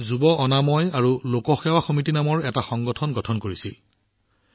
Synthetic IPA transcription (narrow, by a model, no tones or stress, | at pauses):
zubɔʔɔnamɔjaɹulokɔxɛwaxɔmitinamɔɹɛtaxɔŋɡɔtʰɔnɡɔtʰɔnkoɹisḭl